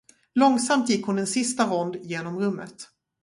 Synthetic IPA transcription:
lɔŋsamt̪jɪkːhʊnɛnsɪst̪aɾɔnd̪jeːnɔmɾɵmːə̰t̪

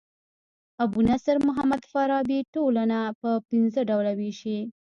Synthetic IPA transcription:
abunasaɾmʊɦamad̪faɾɑbiʈolanapəpinzəɖawlawiʃi

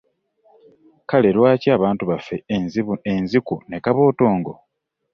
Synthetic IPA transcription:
kale̞lwaːciaːβaːntuβafe̞zienzikune̞kaβo̞ːto̞ːŋɡo̞̰

